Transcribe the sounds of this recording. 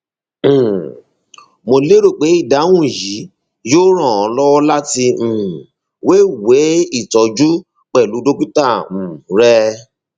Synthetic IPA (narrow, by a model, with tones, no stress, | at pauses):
mo˧le˦ɾo˦˨k͡pe˨˦i˦˨da˨˦w̃ũ˦˨ji˨˦ | joː˦ɾ̃ɔ̃˦˨ɔ̃˨˦lɔ˦wɔ˦la˦tĩ˧˨ | we˦we˨˦i˦˨tɔ˨˦d͡ʒu˦ | k͡pɛ˨lu˨˦do˦k͡pi˦tã˦˨ɾɛ˦